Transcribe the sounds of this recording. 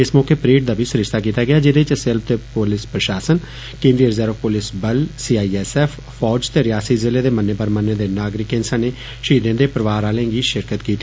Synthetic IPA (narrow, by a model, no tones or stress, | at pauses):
ɪsmɔːkeːpɾeːʈd̪aːbʱiːsʊɾɪʃt̪aːk̬iːt̪aːɡɪjaːd͡ʒɪd̪eːt͡ʃsɪlt̪eːpolɪspɾəʃaːsən | kẽːnd̪ɾijəɾzəɾəfpʊlɪsbəlsiːaːiːɛsɛːf | pʰɔːd͡ʒt̪eːɾɪjaːsiːzɪleːd̪eːmənːeːbəɾmənːẽːd̪eːnaːɡɾɪkːẽːnsãːneː | ʃəiːd̪ẽːd̪eːpəɾəʋaːɾaːlẽːɡiːʃɪɾkət̪kiːt̪i